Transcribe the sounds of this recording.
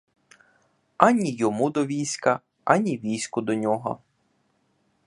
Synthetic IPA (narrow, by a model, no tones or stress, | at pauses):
ɐnʲijɔmud̪ɔʋʲijsʲkɐ | ɐnʲiʋʲijsʲkʊd̪ɔnʲɔɦɔ̰